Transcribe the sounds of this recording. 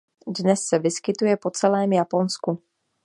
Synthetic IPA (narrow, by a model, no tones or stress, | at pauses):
dnɛsːɛvɪskɪt̪ujɛpo̞t͡sɛlɛːmjapo̞nsku